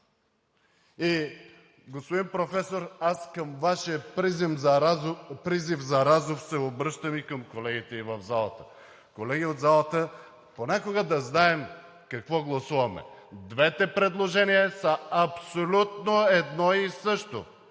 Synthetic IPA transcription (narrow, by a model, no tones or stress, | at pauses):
i | ɡospod̪inpɾofɛsoɾaskəmvaʃiəpɾizim | pɾizifzɐɾazofsɛobɾɤʃt̪əmikəmkolɛɡit̪ɛivɐvzalˠɐt̪ə̥ | kolɛɡiod̪zalˠɐt̪ə | ponʲakoɡəd̪ɐznaɛm | kɐkvɔɡlˠɐsuvɐmɛ̰d̪vɛt̪ɛpɾɛd̪lˠoʒɛnijɐsɐɐpsolʲut̪noɛd̪nɔisɤʃt̪o